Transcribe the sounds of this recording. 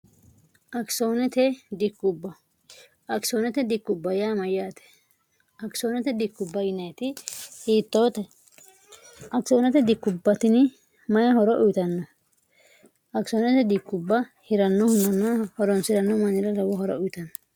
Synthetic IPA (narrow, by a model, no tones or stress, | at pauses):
ʔɐksoːnɛt̪ɛd̪ɪkːʊbːɐ | ʔɐksoːnɛt̪ɛd̪ɪkːʊbːɐjaːmɐjaːt̪ɛ̥ | ʔɐksoːnɛt̪ɛd̪ɪkːʊbːɐjɪnɐjt̪ɪhiːt̪ːoːt̪ɛ | ʔɐksoːnɛt̪ɛd̪ɪkːʊbːɐt̪ɪnɪ | mɐjɐhɔɾɔʔʊjt̪ɐnːɔ | ɐksoːnɛt̪ɛd̪ɪkːʊbːɐhɪɾɐnːɔhʊnd̪ɐnːɐhɔɾɔnsɪɾɐnːɔmɐnɪɾɐlɐwɔhɔɾɔ̰ʊjt̪ɐnːɔ